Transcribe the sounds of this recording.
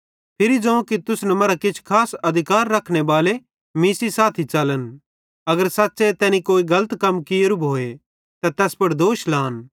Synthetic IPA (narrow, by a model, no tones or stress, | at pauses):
pʰɪɾid͡ʒɐ̃ũkit̪ʊsnɛmɐɾakɪt͡ʃʰkʰaːsɐd̪ʱɪkaːɾːɐkʰɽ̃ebaːle | miːsisaːt̪ʰit͡ʃɐlən | ɐɡəɾsaːtːset̪ɛːnikoːiɡɐlət̪kɐmkijɾubʱoːe | t̪at̪ɛːspɐɽd̪oːʃlaːn